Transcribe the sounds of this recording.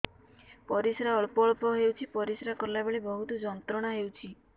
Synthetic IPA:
pɔɾisɾaɔɭpɔɭpɔɦewt͡ʃʰipɔɾisɾakɔɾlabeɭibɔɦut̪ɔd͡ʒɔnt̪ɾɔɽ̃aɦewt͡ʃʰi

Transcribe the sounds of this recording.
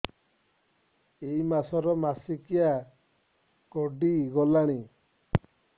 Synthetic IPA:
ejmasɔɾɔmasikija | kɔɖiɡɔlaɽ̃i

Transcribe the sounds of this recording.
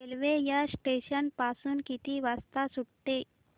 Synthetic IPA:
elʋejasʈeɕənpasuːnkit̪iʋast̪asuʈʈe

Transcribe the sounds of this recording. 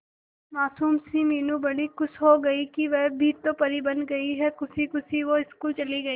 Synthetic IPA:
maːsuːmsĩmiːnũbɐɽikʊsɦoɡɐikiʋɛɦbʱit̪opɐɾibɐ̃nd̪ɡɐiɦɛkʊsikʊsiʋoɪskuːlt͡ʃɐliɡɐiː

